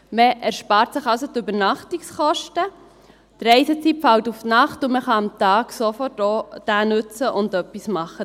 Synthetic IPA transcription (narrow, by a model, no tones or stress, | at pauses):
məʔɛɾʃpɑːɾtsəχɑwsot̪ybəɾnɑχtiksχɔʃtə | t̪ɾɛɪsət͡sipfɑltufnɑχtʊməχɑɑmt̪ɑːɡsofɔrtoːd̥æːnʉt͡səʔʊndœpːismɑχːə